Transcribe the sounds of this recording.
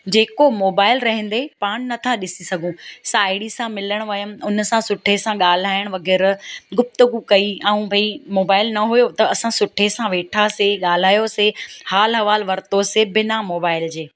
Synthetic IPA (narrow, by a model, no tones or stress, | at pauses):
d͡ʑeːkomoːbaːɪlɾɐɦɛ̃n̆d̪epaːɽ̃nɐt̪ʰaɗɪsisɐɡʱũsaːɪɽisãmɪləɽ̃ʋɐjəmʊn̆sãsʊʈʰesãɠaːl̤aːɪɽ̃ʋɐɡɛːɾɡʊp̚t̪əɡukɐiɐ̃ũbʱɐimoːbaːɪlnɐɦʊjot̪ɐɐsãsʊʈʰesãʋeːʈʰaseɠaːl̤aːjosehaːlɦɐʋaːlʋɐɾt̪osebɪnamoːbaːɪld͡ʑeː